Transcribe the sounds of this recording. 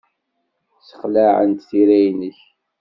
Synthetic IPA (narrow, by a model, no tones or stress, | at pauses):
sə̥χlaʕə̰nt̪θiɾæjnəç